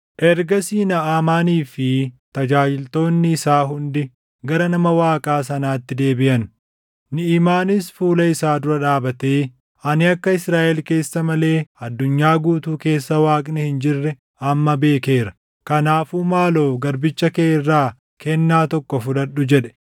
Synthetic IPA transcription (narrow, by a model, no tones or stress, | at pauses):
ʔɛɾɡɐsiːnɐʔaːmaːniːfɪt̪ɐd͡ʒaːd͡ʒɪlt̪o̞ːnːɪːsaːɦʊnd̪ɪ | ɡɐɾɐnɐmɐwaːkʼaːs̬ɐnaːt̪ːɪd̪e̞ːbɪʔɐn | nɪiːmaːnɪsfuːlɐɪsaːd̪ʊɾɐᶑaːbɐt̪eː | ʔɐnɪɐkːɐɪsɾaːʔɛlke̞ːsːɐmɐle̞ːɐd̪ːʊɲːaːɡuːt̪uːke̞ːsːɐwaːkʼnɛhɪnd͡ʒɪrːɛ | ɐmːɐbe̞ːke̞ːɾɐ | kɐnaːfuːmaːlo̞ːɡɐɾbɪt͡ʃːɐkeːɪrːaː | kʰɛnːaːt̪ɔkːɔfʊᶑɐᶑʊd͡ʒɛᶑɛ̥